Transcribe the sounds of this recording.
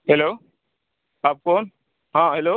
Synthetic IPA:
helo | ap̚kon | ɦãɦelo

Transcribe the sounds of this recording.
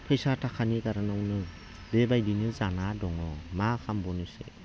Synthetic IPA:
pʰɯjsatʰakʰanikaɾanɔŋnɯ | bebajdinɯzanadɔŋɔmakʰambɔnɯsḛ

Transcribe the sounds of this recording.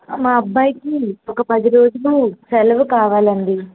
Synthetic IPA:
maːɐbːaːjikiɔkɐpɐd̪iɾo̞ːd͡ʒuluːsɐlɐʋukaːʋaːlɐnd̪i

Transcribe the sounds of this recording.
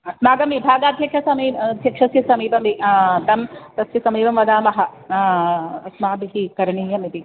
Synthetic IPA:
ɐsmaːɡɐmibʱaːɡaːd̪ʱjɐkʂɐsɐmiːɐd̪ʱjɐkʂɐsjɐsɐmiːpɐmit̪ɐmt̪ɐsjɐsɐmiːbɐmʋɐd̪aːmɐɦɐ̆ | ɐsmaːbiɦikɐɾɐɳiːjɐmit̪i

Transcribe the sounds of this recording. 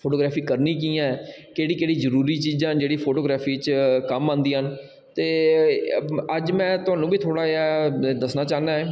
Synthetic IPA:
pʰoːʈoːɡɾɛːpʰiːkəɾniːk̬iːãːɛkeːɽiːkeːɽiːzəɾuːɾiːt͡ʃiːzãːd͡ʒeːɽiːpʰoːʈoːɡɾaːpʰiːt͡ʃkəmãːnd̪iːɦən | t̪eː | əd͡ʒmɛ̃ːt̪ʊɦãːnũːbiːt̪ʰoːɽaːjaːd̪əsnaːt͡ʃaːnd̪aːɦɛː

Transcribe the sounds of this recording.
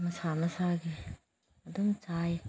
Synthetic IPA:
mɐsanɐsaɡi | ɐdumt͡ʃaj

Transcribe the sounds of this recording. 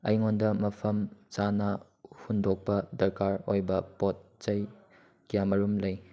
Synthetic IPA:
ɐjŋondɐmɐpʰɐmt͡ʃanɐ | hundok̚pɐdɐɾkaɾojbɐpot̚t͡ʃɐj | kijamɐɾumlɐj

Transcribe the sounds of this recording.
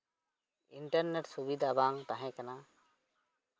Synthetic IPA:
iɳʈəɾneʈsubid̪ʱaːbaːŋt̪aɦẽːkɐnaː

